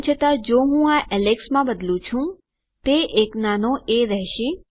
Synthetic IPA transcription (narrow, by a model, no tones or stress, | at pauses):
t͡ʃʰət̪ad͡ʒoɦũaʔɛleksmãbəd̪lũt͡ʃʰũ | t̪eʔeknanoʔeɾəɦʃĩ